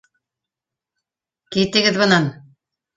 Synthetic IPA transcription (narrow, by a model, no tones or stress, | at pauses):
kit̪ɘ̆ɡɘðbɤ̆nɑn